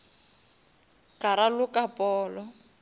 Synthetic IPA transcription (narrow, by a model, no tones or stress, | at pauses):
kaɾalʊkʼapʼɔːlɔ